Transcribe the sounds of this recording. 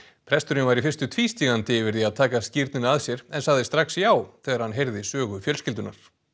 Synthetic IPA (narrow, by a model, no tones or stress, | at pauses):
pʰɾɛst̪ʏɾɪnvaɾifɪrst̪ʏt̪ʰviːst̪iɣant̪ɪvɪɾðiaðt̪ʰaːkascɪɾt̪nɪnaaðsjɛɾɛnsaɣðɪst̪ɾaxsjaːwθɛːɣaɾ̥hanɦejɾðɪsœːɣʏfjœlscɪlt̪ʏna̰ɾ̥